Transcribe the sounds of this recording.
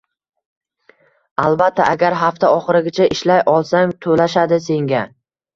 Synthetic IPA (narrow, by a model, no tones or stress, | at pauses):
alˠbat̪ʰːaʔaɡʲaɾɦaft̪ʰaɒχɨɾɪɡʲat͡ʃʰaʔɪʃlajʔɒlˠsaŋt̪ʰolaʃad̪ɪse̞ŋɡʲa